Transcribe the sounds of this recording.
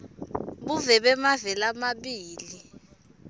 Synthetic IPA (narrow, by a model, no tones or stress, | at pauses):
buvɛɓɛmavɛlamaɓiːli